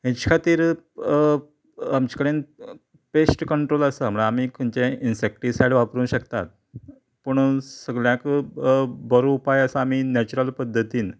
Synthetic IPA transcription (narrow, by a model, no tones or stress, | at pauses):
ɦɛ̃t͡ɕi̥kʰat̪iːɾ | amt͡ɕi̥kəɽen | pesʈkəɳʈɾoləsaməɽaːm̤iːkʰənt͡ɕeinsek̚ʈiːsajɽʋapɾuːnɕəkt̪a̰t̪̚ | pəɳsəɡɭjãk | bəɾupajəsaːmiːnæt͡ɕuɾəlpəd̪ʱːət̪iːn